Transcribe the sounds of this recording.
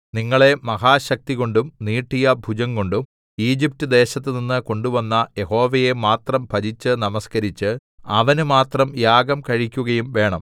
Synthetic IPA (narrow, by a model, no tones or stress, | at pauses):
niŋːɐɭe̞mɐɦaːɕɐk̚t̪iɣo̞ɳɖumniːʈːijɐbʱud͡ʑɐŋko̞ɳɖum | iːd͡ʑip̚tɨd̪e̞ːɕɐt̪ːɨninːɨko̞ɳɖuʋɐnːɐje̞ho̞ːʋɐje̞maːt̪rɐmbʱɐɾit͡ɕːɨnɐmɐskɐɾit͡ɕːɨ | ɐ̰ʋɐnumaːt̪rɐmjaːɡɐmkɐɻikʲːuɣɐjumʋe̞ːɳɐm